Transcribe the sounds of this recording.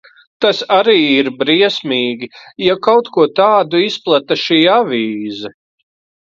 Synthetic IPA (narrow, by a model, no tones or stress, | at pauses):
t̪asaɾiːiɾbɾiɛsmiːɡʲijakawt̪kuɔt̪aːd̪uisplˠat̪aʃiːavʲiːzɐ